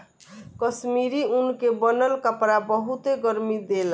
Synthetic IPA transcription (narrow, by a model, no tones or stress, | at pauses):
kʌsmiɾiunkebʌnʌlkapɾabʌɦut̪eɡʌɾmid̪el